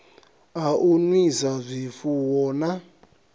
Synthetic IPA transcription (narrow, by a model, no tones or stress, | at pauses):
aʔunisazʷifuwɔːna